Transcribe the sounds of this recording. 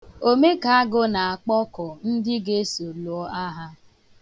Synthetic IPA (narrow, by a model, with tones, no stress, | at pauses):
o˦me˦ka˨a˦ɡʊ˦na˨a˨k͡pɔ˦kɔ˨n̩˦dɪ˦ɡe˦so˨lu˨ɔ˦a˦ɦa˦